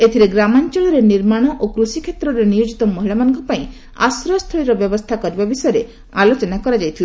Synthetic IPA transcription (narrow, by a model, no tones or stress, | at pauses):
et̪ʰiɾeɡɾamant͡ʃɔɭɔɾeniɾmaɽ̃ɔʔokɾusikʰet̪ɾɔɾenijod͡ʒit̪ɔmɔɦiɭamanɔ̃ŋkɔpaĩ | a̰sɾɔst̪ʰɔɭiɾɔbjɔbɔst̪ʰakɔɾibabisɔjɔɾe | alot͡ʃɔnakɔɾad͡ʒajt̪ʰil